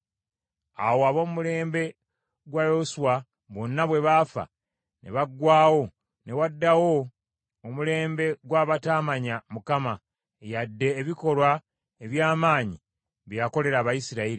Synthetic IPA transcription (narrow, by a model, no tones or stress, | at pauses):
a̰woaβo̞mumule̞ːmbe̞ | ɡwajoswa | βo̞nːaβwe̞βafa̰ | ne̞̰βaɡːwaːwo̞ | ne̞wadːawo̞ː | mule̞ːmbe̞ɡwaːβataːmaɲamukama | ejadːe̞ːβiko̞lwa | eβjaːmaːɲi | βjjako̞le̞ɾaːβajisiɾaiɾi